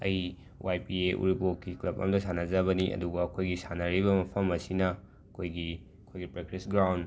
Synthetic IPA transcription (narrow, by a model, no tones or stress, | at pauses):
ɐ̰j | wʔajpieʔṵɾibokːiklɐbɐ̰mdɐsanɐzɐβɐniʔɐ̰duɡɐːkʰojɡisanɐɾibɐmɐpʰɐmɐsinɐ | ɐkʰojɡi | ɐkʰojɡipɾekɾisɡɾawnd